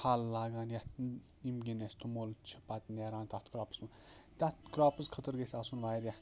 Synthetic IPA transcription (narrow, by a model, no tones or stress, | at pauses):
haːlːaːɡaːnjaimɡʲinesʲt̪omoːlt͡ʃʰipat̪neːɾaːnt̪at̪ʰkɾaːpə̥smɐt̪ʲat̪kɾaːpɨskʰət̪əɾɡesʲasunʋaːjɾja